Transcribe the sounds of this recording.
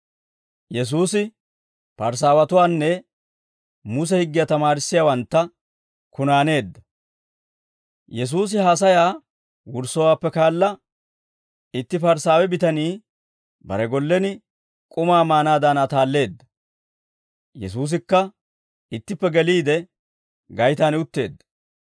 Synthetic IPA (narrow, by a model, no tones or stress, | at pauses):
jɛs̬uːsɪ | pɐɾs̬aːwɐt̪ʊwaːnːɛ | mʊs̬ɛhɪɡːɪjaːt̪ɐmaːɾɪsːɪjaːwɐnt̪ːɐ | kʊnaːne̞ːd̪ːɐ | jɛs̬uːs̬ɪɦaːs̬ɐjaː | wʊɾsɔwaːpːɛkaːlːɐ | ɪt̪ːɪfɐɾsaːwɛbɪt̪ɐniː | bɐ̰ɾɛɡɔlːɛnɪ | kʼʊmaːmaːnaːd̪aːnaːt̪aːlːe̞ːd̪ːɐ | jɛ̰suːs̬ɪkːɐ | ɪt̪ːɪpːɛɡɛliːd̪ɛ | ɡɐjt̪aːnɪʊt̪ːe̞̰ːd̪ːɐ̥